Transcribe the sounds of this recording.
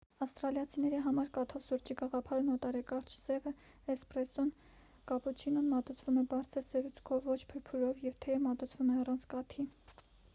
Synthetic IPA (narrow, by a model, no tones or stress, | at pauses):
ɑfst̪ɾɑljɑt͡sʰinɛɾiɦɑmɑɾkɑt̪ʰɔsuɾt͡ʃiɡɑʁɑpʰɑɾnɔt̪ɑɾɛkɑɾt͡ʃʰz̥ɛvə | ɛsprɛsɔn | kɑput͡ʃʰinɔnmɑt̪ut͡sʰvumɛbɑɾt͡sʰəɾsɛɾut͡sʰkʰɔvːɔt͡ʃʰpʰəɾpʰuɾɔvjɛvt̪ʰɛmɑt̪ut͡sʰvumɛɑrɑnt͡sʰkɑt̪ʰi